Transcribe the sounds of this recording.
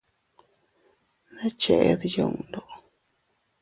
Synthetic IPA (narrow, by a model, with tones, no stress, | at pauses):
na˦t͡ʃe˨ʔd̪jo˧˨ŋd̪o˨